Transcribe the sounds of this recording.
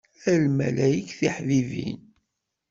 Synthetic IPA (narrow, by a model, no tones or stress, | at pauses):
ælmælæjəkθiħvivḭn